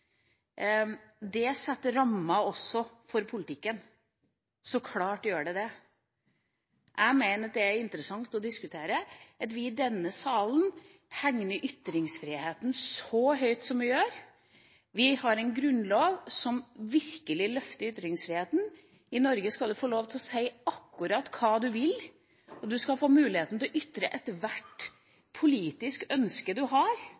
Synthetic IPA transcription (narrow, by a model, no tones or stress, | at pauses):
d̪ɛsɛt̪ːəɾɑmːɑɔsːɔfɔɾpʰʊlɪt̪ɪkːən | sɔkʰlɑːʈjøːɖɛd̪ɛ | ʔæɪmæɪnəɑt̪d̪ɛæɾɪnt̪əɾəsɑŋt̪ɔd̪ɪskʉt̪ʰeːɾəʔɑt̪ʋɪɪd̪ɛnːəsɑːln | hæŋnəɾʔʏt̪ːɾɪŋsfɾɪheːt̪n̩sɔɦœʏt̪sɔmʋɪjøːɾ | ʋɪhɑɾɛɪnɡɾʉnloːʋsɔmʋɪɾkəlɪlœft̪əɾʏt̪ːɾɪŋsfɾɪːheːt̪n̩ | ɪnɔɾɡəskɑld̪ʉfoːloːʋt̪ʰɪlɔsæɪɑkːʉɾɑt̪kʰɑːd̪ʉʋɪl | ɔd̪ʉskɑlfoːmʉːlɪheːt̪n̩t̪ʰɪlɔʔʏt̪ːɾə̰ʔɛt̪ʋæʈ | pʰʊliːt̪ɪskœnskəd̪ʉɦɑɾ